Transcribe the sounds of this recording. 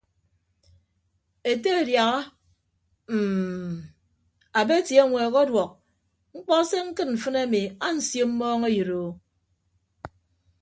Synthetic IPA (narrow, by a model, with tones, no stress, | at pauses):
e˨te˦e˨dja˨ɣa˦ | m̩˨ | a˨be˦tje˨˦˨ŋʷeː˨ɣɔ˦dwɔ˨k̚ | ŋ͡m̩˦k͡pɔ˦se˦ŋ̩˦kɨ˦t̚ɱ̩˨fɨ˦na˦mi˨a˦n̩˨sjo˦m̩˦mɔː˦ŋe˦jɨ˨ɾo˨